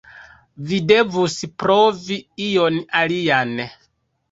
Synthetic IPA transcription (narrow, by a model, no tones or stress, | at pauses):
vide̞vuspɾoviijonalijan